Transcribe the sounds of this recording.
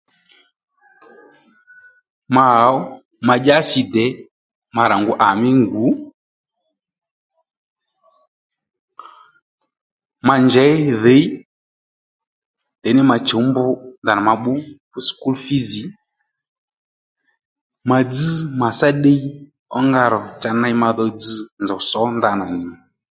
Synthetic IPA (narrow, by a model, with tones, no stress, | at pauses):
ma˨a˨˦ɔ˦ | ma˨ʄa˦si˨dɛ˨˦ | ma˨ɾa˨ŋɡu˦ʔa˨mi˦ŋɡu˨˦ | ma˨nd͡ʒɛ˨˦ðe˨˦i˦ | d̥ɛ˨nɪ˦ma˨t͡ʃo˨˦mbʊ˦nd̪a˨na˨ma˨ɓu˦fu˦sku˦lfi˦zi˨˦ | ma˨d͡z̩ɨ˦ma˨sa˦ɗe˦i˦ | ɔ˦ŋɡa˦˨ɾɔ˨t͡ʃa˧na˦jma˧ðɔ˧d͡zɨ˦nd͡za˨sɔ˨˦nda˨na˨nɪ˨